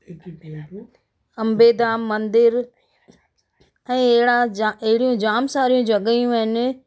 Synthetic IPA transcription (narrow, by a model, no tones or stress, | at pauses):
ɐmbeːd̪aːmːɐ̃nd̪ɪɾ | ɛ̃ːeɦɽaɦɪɽijũd͡ʑaːmsaːɾijũd͡ʑɐɡəjũəɦɪnɪ̆